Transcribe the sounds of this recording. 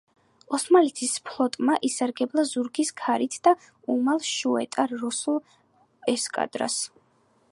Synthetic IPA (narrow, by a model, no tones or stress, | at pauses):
ɔsmalit̪ʰispʰlˠɔt̪ʼmaʔisaɾɡɛblˠazuɾɡiskʰaɾit̪ʰd̪̥a | umalˠʃuɛ̰t̪ʼaɾːɔsulˠ | ɛskʼa̰d̪̥ɾa̰s